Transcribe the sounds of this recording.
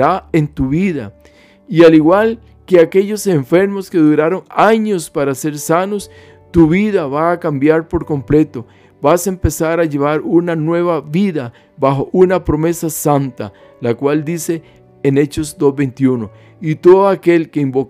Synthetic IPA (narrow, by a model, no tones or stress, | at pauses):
ɾaent̪uβiða̰ | ialiɣwal | keakeʎo̞se̞ɱfe̞ɾmo̞ske̞ðuɾaɾo̞ŋaɲo̞spaɾase̞ɾsanos | t̪uβiðaβaːkambjaɾpo̞ɾkomple̞t̪o̞ | basempe̞saɾaʝe̞βaɾunanwe̞βaβiða | baxoʔunapɾome̞sasant̪a̰ | lakwald̪ise̞ː | ne̞t͡ʃo̞sd̪ozβejnt̪juno | it̪oðoake̞lkeimbok